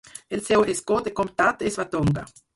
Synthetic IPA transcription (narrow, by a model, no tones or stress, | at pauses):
elsewʔeskod̪ekom̚t̪at̪esvat̪oŋɡa̰